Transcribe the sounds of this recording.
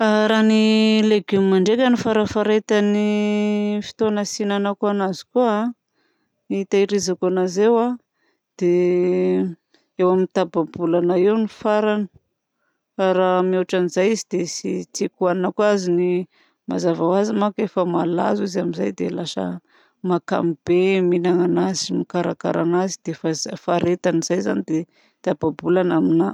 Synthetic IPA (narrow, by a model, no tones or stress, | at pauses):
aɾanileɡummaɳɖ͡ʐekʲənifaɾəfaɾet̪ani | fi̥t̪onasinanakanazi̥ku | it̪aiɾizakanazewa | d̪̥e | ewaminit̪ababulanaewnifaɾanə̥ | aɾamioʈ͡ʂanizajizid̪esit͡sikuaninakuazini | mazavawazimakefəmala̰zizamizajd̪elasə̰ | maka̰mib̥eminaŋanazimikaɾaka̰ɾʔa̰nazid̪̥efazfaɾet̪aniz̥ajza̰nid̪e | t̪ababulanamina